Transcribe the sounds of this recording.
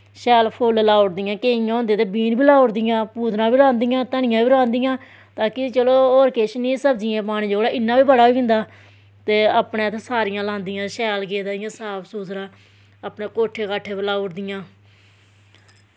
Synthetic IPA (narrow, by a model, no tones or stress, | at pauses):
ʃɛːlpʰoːləlaːʊʈd̪ɪjãːkeːɪjãːɦõːnd̪ẽt̪eːbiːnbiːlaːʊɾd̪ɪjãːpuːd̪ɾãːbiːlãːnd̪ɪjãːt̪əɳɪjãːbiːɾãːnd̪ɪjãː | t̪aːkɪt͡ʃəloːoːɾkeːʃnĩːsəbd͡ʒɪjãːpaːɽ̃iːd͡ʒoːɽaːʔɪnːãːbiːbəɽaːiːɦʊ̃nd̪aː | t̪eːapɳẽːt̪eːsaːɾɪjãːlãːnd̪ɪjãːʃɛːlɡeːd̪aːjãːsaːpʰsuːsɾãː | aːpɳeːkoːʈʰːeːkaːʈʰːeːpəlaːʊʈd̪ɪjãː